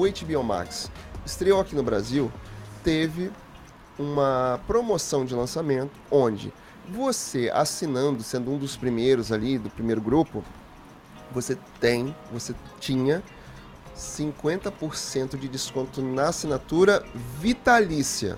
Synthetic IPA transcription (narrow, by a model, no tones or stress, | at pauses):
ʊejt͡ʃɪbiõma̰ksɪst̪ɾewakinʊbɾa̰ziwt̪evɪ | ũmɐpɾomosɐ̃w̃d͡ʒɪlɐ̃samẽnt̪ʊ̥õd͡ʒɪ̰ | vosea̰sinɐ̃nd̪ʊsẽnd̪ʊũd̪ʊspɾimejɾʊzalid̪ʊpɾimejɾʊɡɾupʊ̰ | voset̪ẽj̃voset͡ʃĩɲɐ | sĩŋkwẽnt̪ɐpoɾsẽnt̪ʊd͡ʒɪd͡ʒɪskõnt̪ʊnɐːsinat̪uɾɐvit̪alisiɐ̰